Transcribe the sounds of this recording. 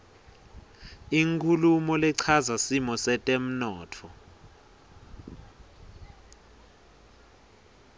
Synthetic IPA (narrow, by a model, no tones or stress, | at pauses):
iŋkʰʼulumɔlɛǀʰazasimɔsɛtʼem̩nɔːtʰɔ